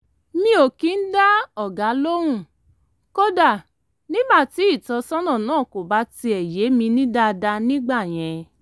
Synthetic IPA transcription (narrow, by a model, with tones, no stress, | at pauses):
mĩ˧o˨kĩ˨˦n̩˦da˦ɔ˦˨ɡa˨˦lo˦ɾ̃ũ˦˨ | ko˦da˦˨ | nĩ˦ba˦˨ti˨˦i˦˨tɔ˧sɔ̃˦nɔ̃˦˨nãː˦˨ko˨ba˨˦ti˧ɛ˨je˨˦mĩ˧nĩ˦da˧da˧nĩ˦ɡ͡ba˦˨j̃ɛ̃˨˧